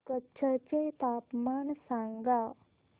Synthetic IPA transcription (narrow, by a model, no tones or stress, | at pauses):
kɐtːt͡ʃʰɐt͡ʃejt̪aːpmaːnsaːŋɡaː